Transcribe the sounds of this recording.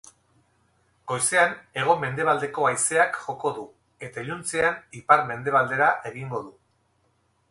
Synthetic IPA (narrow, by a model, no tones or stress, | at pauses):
ɡ̥o̞jse̞ane̞ɣ̞o̞me̞nd̪e̞βald̪e̞ko̞ajse̞akʝo̞ko̞ðu | e̞t̪aeʎunt͡se̞anipaɾme̞nd̪e̞β̞ald̪e̞ɾaʔe̞ɣiŋɡo̞ðu